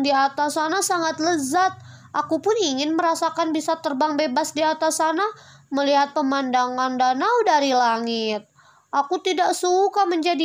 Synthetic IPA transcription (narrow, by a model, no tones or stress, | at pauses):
diat̪asanasaŋat̪ləzat̪̚ | ʔakupʊniŋɪnməɾasakanbisat̪ərbaŋbebasdiat̪asana | məliɦat̪̚pəmandaŋandanawdaɾilaŋɪt̪̚ | ʔakut̪idaksukaməɲd͡ʒadi